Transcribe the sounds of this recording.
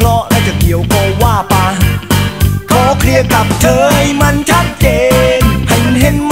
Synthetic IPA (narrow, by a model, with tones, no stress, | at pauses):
lɔ˦˥ʔɾɛ˦˥t͡ɕa˨˩ki˨˦əwkoː˧waː˧˩pa˧ | k̪oː˧kʰɾi˧əka˨˩p̚t̪ʰɤː˧jma˧˥nt͡ɕʰa˦˥t̪̚t͡ɕeː˧nha˨˩jma˧nɦe˧˥n̚m